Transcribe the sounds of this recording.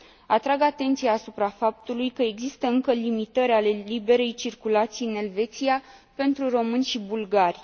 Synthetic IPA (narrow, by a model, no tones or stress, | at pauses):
at̪ɾaɡat̪e̞nt̪sijaːsupɾafap̚t̪ulujkəe̞ɡzist̪əɨŋkəlimit̪əɾʲale̞libe̞ɾe̞jt͡ʃirkulat̪sijɨne̞lve̞t̪sijape̞nt̪ɾuro̞mɨnʲʃibulɡarʲ